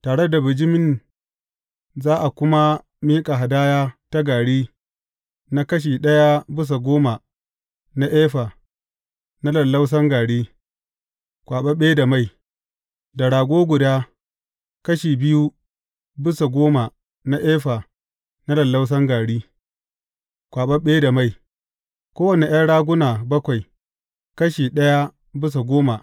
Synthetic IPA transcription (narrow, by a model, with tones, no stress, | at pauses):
taː˨ɽe˦da˨bɪ˨d͡ʒɪ˦mɪ˦n | zaː˦ʔa˨kʷʊ˦ma˦ | miː˦kʼa˨ɦa˨daː˦jaː˦ta˦ɡaː˨ɽiː˦ | na˦kɐ˦ʃ̬iː˨ɗɐ˦ja˦bɪ˦s̬a˨ɡʷoː˦ma˨ | na˦ʔɛː˦ɸa˨ | na˦lɐ˨lːa˦ws̬ɐ˦ŋɡaː˨ɽiː˦ | kʷaː˨ɓɐ˦ɓeː˦da˨ma˦˨j | da˨ɽaː˨ɡʷoː˦ɡʷʊ˨daː˦ | kɐ˦ʃiː˨bɪ˦ju˦ | bɪ˦sa˨ɡʷoː˦ma˨ | na˦ʔeː˦ɸa˨ | na˦lɐ˨lːa˦ws̬ɐ˦ŋɡaː˨ɽiː˦ | kʷaː˨ɓɐ˦ɓeː˦da˨ma˦˨j | kʷoː˦wɐ˨ne˨ʔj̰aː˦ɽaː˦ɡʷʊ˦naː˨bɐ˦kʷa˨j | kɐ˦ʃiː˨ɗɐ˦ja˦ | bɪ˦s̬a˨ɡʷoː˦ma˨